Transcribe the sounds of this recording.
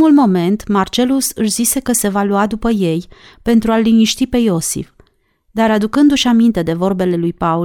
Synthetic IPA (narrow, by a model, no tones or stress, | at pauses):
mulmo̞me̞nt̪mart͡ʃe̞lusɨʃzise̞kəse̞valuad̪upəje̞j | pe̞nt̪ɾualːiniʃt̪ipe̞jo̞sḭf | d̪aɾad̪ukɨnd̪uʃamint̪e̞d̪e̞vo̞rbe̞le̞lujpau